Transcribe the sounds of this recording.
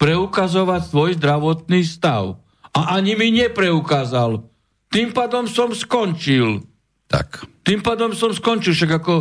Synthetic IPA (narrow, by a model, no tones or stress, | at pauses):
pɾɛukazɔʋacsʋɔjzd̪ɾaʋɔt̪niːst̪a̰ʊ | aʔaɲimiɲɛpɾɛukaːzal | t̪iːmpaːd̪ɔmsɔmskɔnt͡ʃil | t̪a̰kt̪iːmpaːd̪ɔmsɔmskɔnt͡ʃilʃaɡakɔ